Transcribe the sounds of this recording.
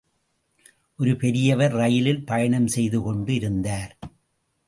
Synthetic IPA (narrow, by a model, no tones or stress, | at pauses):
ʔɔɾɯpɛɾɪjɐʋɐɾɾɐjɪlɪlpɐjɐɳɐmsɛjðɯkɔɳɖɯɪɾɯnd̪aːɾ